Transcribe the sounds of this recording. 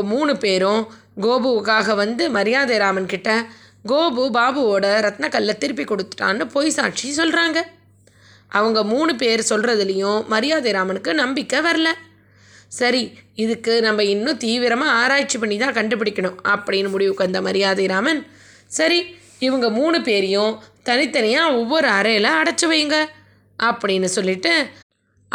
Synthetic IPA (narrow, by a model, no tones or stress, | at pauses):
ɐmuːɳɯpeːɾʊ̃ | ɡoːbɯkːaːɣɐʋɐnd̪ɯmɐɾɪjaːðɐɾaːmɐnkɪʈːɐ | ɡoːbɯbaːbɯoːɽɐɾɐt̪nɐkːɐlːɐt̪ːɪɾɯp̬ːikːɔɽɯt̪ːɯ̥ʈːa̰ːnːɯpoːjsa̰ːʈt͡ʃisɔlɾaːŋɡɐ | ʔɐʋɐŋɡɐmuːɳɯpeːɾsɔlrɐðɪlɐjʊ̃mɐɾɪjaːðɐɾaːmɐnɯkːɯnɐmbɪkːɐʋɐɾɐlɐ | sɐɾiɪðɯkːɯnɐmːbɐɪnːʊ̃t̪iːʋɪɾɐmaːɾaːt͡ʃːipɐɳːit̪ãːkɐɳɖɯp̬ːɪɽɪkʲːɐɳʊ̃ɐpːɐɽɪnːɯmʊɽɪʋɯkːɐnd̪ɐmɐɾɪjaːðɐɾaːmɐn | sɐɾi | ɪʋɐŋɡɐmuːnɯpeːɾɪjʊ̃t̪ɐnɪt̪ːɐnɐjãːɔʋːɔɾɯɐɾɐjlɐɐɽɐt͡ʃːɯʋɐjɯŋɡɐ | ʔɐpːɐɽɪnːɯsɔlːɪʈːɯ